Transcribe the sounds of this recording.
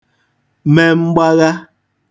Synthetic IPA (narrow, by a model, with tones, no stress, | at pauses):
mɛ˨m̩˦ba˦ɣa˦